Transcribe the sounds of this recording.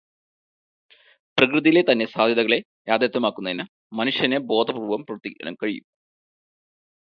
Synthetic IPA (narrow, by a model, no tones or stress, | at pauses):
prɐkrɨðijlet̪ɐnːe̞saːd̪ʱjɐðɐɣɐɭe̞ | jaːd̪ʱjɐt̪ːjɐmaːkːunːɐðinɨ | mɐnuʂjɐnebo̞ːd̪ʰʱɐprubʋɐmprɐʋɐrt̪ːikʲːɐ̰nɐ̰mkɐɻijṵm